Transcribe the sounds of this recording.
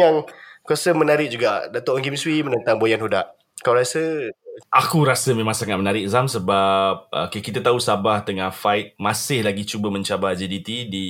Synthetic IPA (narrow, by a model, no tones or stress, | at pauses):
jaŋkuasəmənaɾɪk̚d͡ʒuɡaʔdat̪oʔŋkimswimənənt̪aŋbojanɦodaʔ | kalwɾasəʔakuɾasəmẽmãŋsaŋat̪̚mənaɾɪk̚zamsəbap̚ə̰kəkit̪at̪ausabaht̪əŋahfaɪt̪̚mãsɪhlaɡit͡ʃubəmə̃ɲt͡ʃabad͡ʒidit̪idi